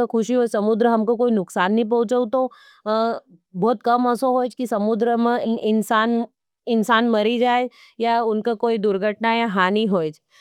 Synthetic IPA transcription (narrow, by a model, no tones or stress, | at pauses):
akʰʊʃiɦoːd͡ʒsɐmʊd̪ɾəɦɐmkokoːinʊksaːnːɐɦĩp̬ɐ̃ɦʊ̃t͡ʃəut̪o | bɔːt̪kɐmɔsoɦoːjd͡ʒkisɐmʊd̪ɾəmẽɪnsaːn | ɪnsaːnmɐɾid͡ʒaːed͡ʒ | jaʊnkakoːid̪ʊɾɡʱəʈnajaɦaːniɦoːd͡ʒ